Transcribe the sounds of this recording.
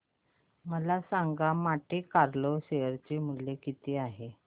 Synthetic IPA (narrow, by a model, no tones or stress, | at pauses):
məlasaŋɡamaʈʰekaɾloɕejəɾt͡ɕemuljekit̪iːaɦe